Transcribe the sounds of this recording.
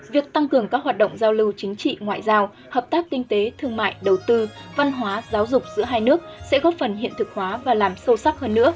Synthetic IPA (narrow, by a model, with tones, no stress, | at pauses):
vi˨˩ək̚t̪a˧ŋkɨ˨˩əŋkaː˦˥k̚ɦaː˨˩t̚ɗə̰˧˨wŋ͡mzaː˧wlɨ˧wt͡ɕï˨˦ŋ̟t͡ɕḭ˧˨ŋwa̰ː˧˨jzaː˧w | həː˨˩p̚t̪aː˦˥k̚kï˧ŋ̟t̪e˨˦t̪ʰɨ˧əŋma̰ː˧˨jɗə˨˩wt̪ɨ˧va˧nɦwaː˨˦zaː˨˦wzʊ˨˩k͡p̚zɨ̰˧˥əɦaː˧jnɨ˦˥ək̚sɛ̰˧˥ɣɔ˦˥p̚fə˨˩nɦḭ˧˨ənt̪ɨ˨˩k̚hwaː˨˦vaː˨˩laː˨˩msə˧sa˦˥k̚həː˧nːɨ̰˧˥ə